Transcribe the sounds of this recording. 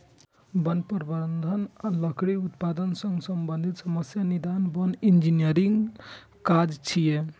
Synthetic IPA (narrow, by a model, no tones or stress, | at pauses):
bənpəɾbənd̪ʱənaləkʰɽiut̪pad̪ənsəŋɡsəmbənd̪ʱit̪səməsjanid̪anbənind͡ʒinijəɾiŋɡ | kad͡ʒt͡ʃʰije